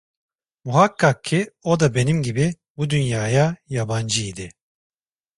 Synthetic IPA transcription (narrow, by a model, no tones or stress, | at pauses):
muɦakʰːak̚cʰːio̞d̪abe̞nimɟibi | bud̪ynjaːjajaband͡ʒɯid̪ɪ